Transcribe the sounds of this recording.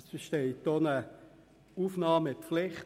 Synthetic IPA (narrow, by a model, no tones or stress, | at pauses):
sb̥əʃteɪtːonə | uːfnɑːmɪtflɪχt